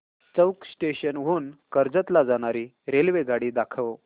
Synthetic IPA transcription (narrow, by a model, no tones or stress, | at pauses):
t͡səwksʈeɕənɦuːnkəɾd͡zət̪lad͡zaɽ̃aɾiː | ɾelʋeɡaɽiːd̪akʰəʋ